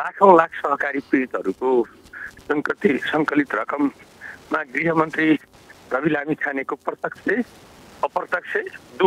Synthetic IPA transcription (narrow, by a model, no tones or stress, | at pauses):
lakʰʌ̃w̃lakʰsʌɦʌkaɾiprĩt̪ɦʌɾukosʌŋkʌt̪isʌŋkʌlit̪rʌkʌmːaɡriɦʌmʌnt̪ri | rʌbilamikʰanekoprʌt̪ʌksʰeʌprʌt̪ʌksʰed̪u